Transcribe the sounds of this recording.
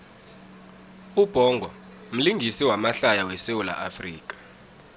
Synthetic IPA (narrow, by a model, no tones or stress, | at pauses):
ub̥ʱɔŋɡʱɔ | m̩liŋɡʱisiwamaɬajawɛsewula̰ʔafrḭːk̬ʼḁ